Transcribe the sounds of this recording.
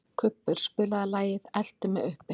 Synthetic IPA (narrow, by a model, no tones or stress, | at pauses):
kʰʏpːʏɾ̥spʏːlaðalaːjɪðɛl̥t̪ʏmɛðʏhpɪ